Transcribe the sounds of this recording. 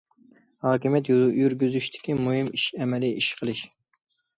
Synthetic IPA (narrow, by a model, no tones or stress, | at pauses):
hɑːkʲimjɛt̪jjyɾɡʲyzyʃt̪ʰɪ̥kʲimuɦɨmiʃɛmɛliʔiʃqʰəlˠɨʃ